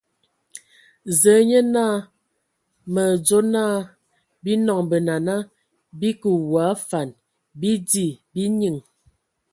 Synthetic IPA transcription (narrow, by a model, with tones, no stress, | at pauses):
zə˨˦ɲə˦naː˦˨ | mə˨d͡ʒo˦naː˦˨ | bi˦nɔ˨ŋbə˨na˨na˦ | bi˦kə˨wa˨˦fa˨n | bi˦di˦˨bi˦ɲi˨ŋ